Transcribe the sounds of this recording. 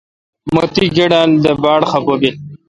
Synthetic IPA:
mot̪iɡeɖaːld̪əbaːɽxɐpobi

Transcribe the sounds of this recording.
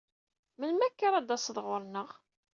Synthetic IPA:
mənmækːaɾˤad̪æsəðˤʁʊɾˤnəʁ

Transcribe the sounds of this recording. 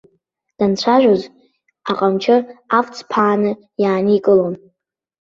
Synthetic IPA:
d̥ant͡ɕʷʰaʒᶣoz | aqʼamt͡ʃʰɪaft͡sʰʼpʰaːnɨ | jaːnɨikʼɨlon

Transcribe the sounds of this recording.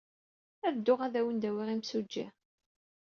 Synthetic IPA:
æðd̪ːʊʁæðæwənd̪æwiʁimsud͡ʒːḭ

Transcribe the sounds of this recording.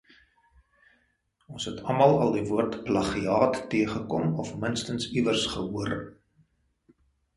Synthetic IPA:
ɔnsɦɛtʰɐmɐlˠɐlˠdivuərtplɐχiɑːtːiəχəkɔmɔfmənstənsivərsχəɦuəɾ

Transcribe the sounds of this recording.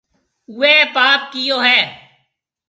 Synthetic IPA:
ʊeːpaːp̚kijoːɦɛː

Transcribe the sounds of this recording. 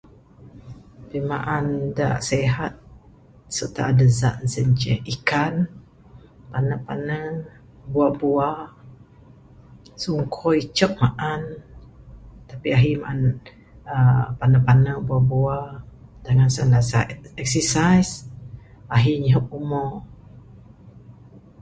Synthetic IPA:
apimaʔanda̰ʔseɦat̪̚ | sət̪a̰ʔːdəza̰ʔzəɲt͡ʃɛhikan | panəpa̰nə | buaʔbua | suŋkʰɔit͡ʃəp̚maʔan | t̪apiaɦimaʔan | əpanəpanəbuaʔbuad̥aŋansəlasa̰ɛksəsajs | aɦiɲəɦəp̚umɔ

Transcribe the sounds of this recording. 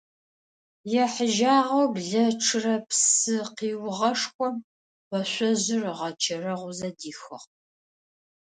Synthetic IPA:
jɛħəʒaːʁɐwbɮɐʈ͡ʂʰɨrɐpsɨqiːwʁɐʂxʷɔm | wɐɕʷɔʑɪrʁɐt͡ʃʰɐrɐʁʷʊzɐdiːxɐ̰ʁ

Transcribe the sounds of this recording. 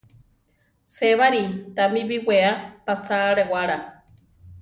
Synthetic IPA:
seβaɾit̪amiβiweapat͡saɾewaɾa

